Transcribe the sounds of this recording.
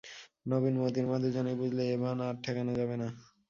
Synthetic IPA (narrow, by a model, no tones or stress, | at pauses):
nobinmod̪iɾmad̪ʱed͡ʑanajbud͡ʑʱleebanaɾʈʰɛkanod͡ʑabena